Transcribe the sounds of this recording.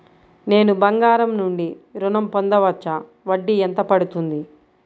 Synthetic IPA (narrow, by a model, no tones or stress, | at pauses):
ne̞ːnubɐŋɡaːɾɐmnuɳɖiɾunɐmpond̪ɐʋɐt͡ʃːɐ | ʋɐɖːiɛnt̪ɐpɐɽut̪und̪i